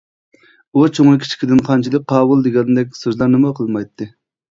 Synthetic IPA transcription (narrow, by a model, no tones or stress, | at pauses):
ut͡ʃʰoŋlˠɨkʲʰi̥t͡ʃʰi̥id̪ɪnqʰɑnt͡ʃʰilˠɪk̚ʲqʰɑːwulˠd̪ɪɡʲɛnɨd̪ɛkʲsøzlˠɑɾnɨmɑqʰəlˠmɑjt̪ʰːɨ